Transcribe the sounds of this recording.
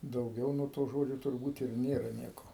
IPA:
dɐʊˈɡʲɛʊ nuɔ toː ˈʒoːd͡ʒʲoː tʊrˈbuːt ɪr ˈnʲeːrɐ ˈnʲiɛkoː

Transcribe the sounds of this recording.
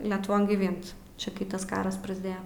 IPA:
lʲɛtʊˈʋoːn ɡʲiːˈʋʲɪnt ˈt͡ʃʲɛ kɐɪ ˈtɐs ˈkɑːrɐs prɐzʲˈdʲeːjɛ

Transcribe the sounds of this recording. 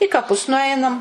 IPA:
ɪ kɐˈpʊs nʊˈɐɪnɐm

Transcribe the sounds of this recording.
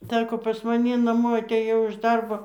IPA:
ˈsɑːkoː pɐs mɐˈnʲɪ nɐˈmoː ɐtʲeːˈjɛʊ ɪʃ ˈdɐrboː

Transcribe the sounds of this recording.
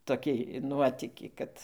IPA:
toːˈkʲiː ˈnuɔtʲiːkʲiː ˈkɐt

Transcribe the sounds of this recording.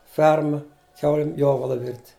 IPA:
ˈfʲɛrmɐ ˈkʲɛʊlʲɪm ˈjoːʋɐlˠɐ ʋʲɪrʲtʲ

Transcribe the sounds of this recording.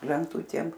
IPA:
lʲɛnˈtʊtʲeːm

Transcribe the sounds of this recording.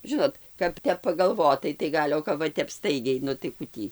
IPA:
ˈʒʲɪnoːt kɐp ˈtʲɛp pɐɡɐlˠˈʋoːtɐɪ tɐɪ ˈɡɐlʲ oː kɐp ˈʋɐ ˈstɐɪɡʲɛɪ ˈnʊ tɐɪ ˈkʊ tʲiː

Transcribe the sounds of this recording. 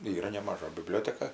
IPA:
ˈiːrɐ nʲɛmɐˈʒɐ bʲɪˈbʲlʲoːtʲɛkɐ

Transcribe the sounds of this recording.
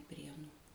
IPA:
ˈpʲrʲiɛnuː

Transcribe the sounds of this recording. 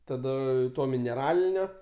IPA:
tɐˈdɐ ˈtoː mʲɪnʲɛˈrɑːlʲɪnʲoː

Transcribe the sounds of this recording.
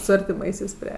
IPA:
sʊ ɐrʲtʲɪˈmɐɪsʲɛɪs ˈpʲrʲiɛ

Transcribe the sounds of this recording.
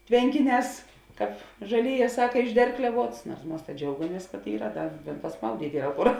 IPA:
ˈtʲʋʲɛŋʲkʲɪˌnʲɛːs kɑːp ʒɐˈlʲeːˌjɛː ˈsɑːkɐ ɪʒʲˈdʲɛrklʲɛʋuɔts nuɔrs ˈmɐs tɐ ˈd͡ʒʲɛʊɡɐmʲiɛs kɐt ˈiːrɐ ˈdɐr pɐsˈmɐʊdʲiːtʲ ˈiːrɐ ˈkʊr

